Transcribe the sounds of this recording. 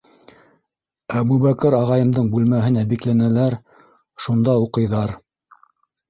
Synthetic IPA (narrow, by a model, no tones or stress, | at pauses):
æbuβækɘɾɑʁɑjɤ̆md̪ɤɴbʉlmæɦɘnæbiklænælæɾ | ʃund̪ɑuqɤ̆jðɑɾ